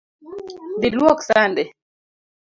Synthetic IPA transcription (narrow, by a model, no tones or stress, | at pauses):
d̪ilwɔksandɛ